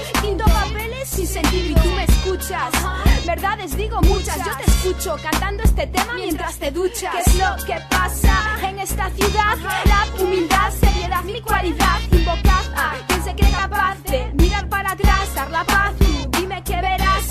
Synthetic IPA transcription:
θind̪opapelesinsent̪iiot̪umeskut͡ʃasbeɾðaðezðiɣomut͡ʃazʝot̪eskut͡ʃokant̪and̪oest̪et̪emamjeent̪ɾast̪eðut͡ʃakezlokepasaeŋest̪aθjuðaðeðaumild̪aseɾjeðaðikwaliðaðimbokaðkensekekapaθemiɾaɾpaɾat̪ɾasaɾlapaθumd̪imekeβeɾas

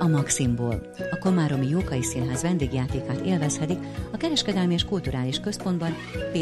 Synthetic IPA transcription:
ɒmɒksimboːl | ɒko̞maːɾo̞mijoːkɒjisinɦɛzvɛnd̪eːɡjaːt̪eːkaːt̪ḛːlvɛshɛt̪ikɒkɛɾɛʃkɛd̪ɛlmieːʃkult̪uɾʔaːliʃkø̞spo̞nd̪bɒn | peː

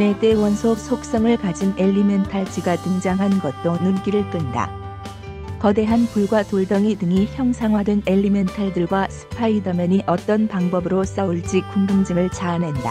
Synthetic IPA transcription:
ne̞t͈e̞wʌnsʰok̚sʰok̚s͈ʌŋɯɭkad͡ʑine̞ʎːimentʰaɭt͡ɕʰiɡatɯŋd͡ʑaŋɦanɡʌt̚t͈onɯmk͈iɾɯɭk͈ɯnda̰ | kʌde̞ɦanpuɭɡwatoɭdʌŋidɯŋiçjʌŋsʰaŋɦwadɯne̞ʎːime̞ntʰaɭdɯɭɡwasʰɯ̥pʰaidʌmʌniʔʌt͈ʌnpaŋbʌbɯɾos͈auɭt͡ɕ͈ikk͈ːunɡɯŋd͡ʑɯŋɯɭt͡ɕaːnɦenda̰

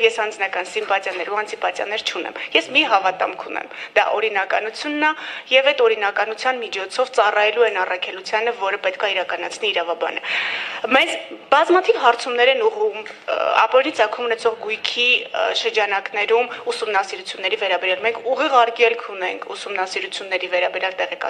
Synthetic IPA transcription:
jɛsɑnd͡znɑkɑnsimpɑt͡sjɑnːɛɾuɑnt͡simpɑt͡sjɑ̰nɛɾt͡ʃʰunɛ̰mjɛsmiɦɑvɑt̪ɑ̰mkʰunɛ̰md̪ɑ̰ʔɔɾinɑkɑnut͡sʰjunːɑjɛvɛt̪ɔɾinɑkɑnut͡sʰjɑnmit͡ʃʰɔt͡sʰɔvt͡sɑrɑjɛluɛnɑrɑkʰɛlut͡sʰjɑnəvɔɾəpɛt̪̚kʰɑiɾɑkɑnɑt͡sʰniːɾɑvɑbɑ̰nə̰mɛzbɑzmɑt̪ʰivɦɑɾt͡sʰumnɛɾɛnuʁumɑ̰pɔɾinit͡sɑkʰumunɛt͡sʰɔʁɡujkʰiʃəɾd͡ʒɑnɑknɛɾumusumnɑsiɾut͡sʰjunːɛɾivɛɾɑbɛɾjɑlmɛŋkʰuʁiʁɑɾkɛlkʰunɛŋkʰusumnɑsiɾut͡sʰjunːɛɾivɛɾɑbɛɾjɑlt̪ɛʁɛkɑ

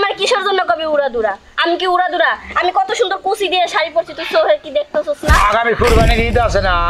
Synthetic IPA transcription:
maɾkiʃoɾd͡ʑonːokobiuɾad̪uɾa | amikiuɽad̪uɾaamikɔt̪oʃund̪oɾkosʰid̪ieʃaɾipoɾt͡ɕʰit̪usoɦeɾkid̪ek̚ʰt̪asosnaaɡamipʰuɾbʱanikit̪̬easena

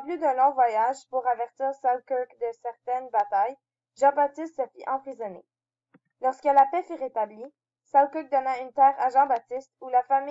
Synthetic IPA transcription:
plyd̪ɛ̃lɔ̃vwajaʒpuʁavɛʁt̪iːʁsawkɔkd̪əsɛʁt̪ɛnbat̪aj | ʒɑ̃bat̪ɪst̪səfiʔɑ̃pχizɔnḛ | lɔʁskəlapɛfyʁet̪abli | sawkuk̚d̪ɔnɛ̃ynt̪ɛːʁaʒɑ̃bat̪ɪst̪ulafami

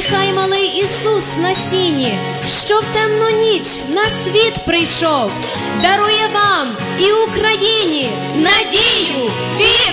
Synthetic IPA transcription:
kajmɐlˠɨjisusnɐsʲinʲɪ | ʂt̪opt̪ɛmnɔnʲit͡ʃnɐsvʲet̪pɾɪʂolˠ | d̪ɐɾujɛvam | iʊkɾɐjʲenʲɪ | nɐdʲejʊ | pʲi

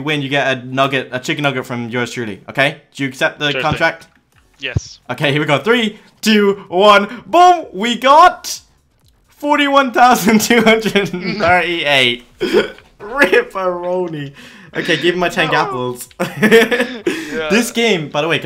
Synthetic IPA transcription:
wɨ̃njɨɡɛɾɨnʌɡɨt̚ɨt͡ʃʰɪk̚nʌɡɨtfɹʌ̃mjə˞stʉlˠḭʔoʊkʰeɪd̥ɨjɨːksɛp̪̚ðɨkʰɑ̃ntɹ̥æk̚t̚ | jɛsʔoʊkʰeɪhiɹwiɡɑt̪̚θɹi | tʰʉwʌ̃nbõmwiɡɑt̚ | fɔɹɾiwʌ̃nθaʊzɨ̃ntʰʉɦʌ̃ndɹɨdn̩θɜ˞ɾieɪt̚ | ɹɪpəɹõʊniʔo̰ʊkʰeɪɡɪṽŋmaɪtʰɛ̃nɡæpl̩ˠz̥ | ðɪsɡ̥ẽɪ̃mbaɪðəweɪk

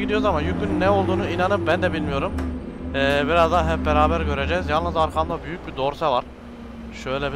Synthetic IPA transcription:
id̪ijozamajykynnːɛo̞lˠd̪uːnuinanɯp̚bænd̪ɛbilʲmijo̞ɾumɛːbiɾazd̪aɦɛp̚beɾaːbæɾɟø̞ɾe̞d͡ʒɛzjalˠnɯzaɾkʰamd̪abyjyc̚bid̪o̞ɾsavaɾ̥ | ʃø̞jlʲɛb

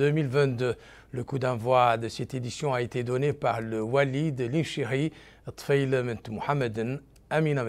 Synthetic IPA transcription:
ømilvɛ̃t̪d̪ø | ləkud̪ɑ̃vwad̪əsɛt̪ed̪isjɔ̃aet̪ed̪ɔnepaʁləwalid̪əlĩnʃiʁi | t̪ˤfajləmə̃nt̪muħamːəd̪ən | aminãm

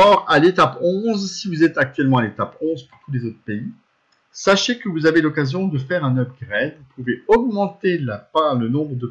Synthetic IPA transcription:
ɔʁalet̪apɔ̃zsivuzɛt̪ak̚t̪ɥɛlmɑ̃alet̪apɔ̃zpuʁt̪ulezot̪χə̥pei | saʃekəvuzavelɔkazjɔ̃d̪əfɛʁɛ̃nœbʁəɡʁɛd̪vupuveɔɡmɑ̃t̪elapalənɔ̃bʁəd̪ə

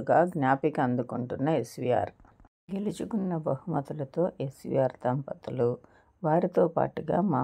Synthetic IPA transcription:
ɡaːɡnjaːpikɐnd̪ukuɳʈunːɐesʋija̰ːɾ | ɡe̞lit͡ʃukunːɐbɐɦumɐt̪ulɐt̪o̞ːʔesʋḭːjaːɾt̪ɐmpɐt̪ulu | ʋaːɾit̪oːpa̰ːʈuɡa̰ːmaː

